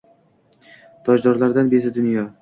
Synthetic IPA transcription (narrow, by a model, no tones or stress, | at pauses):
t̪ʰɒʒd̪ɒɾlaɾd̪anbezɪd̪ʊnjɒ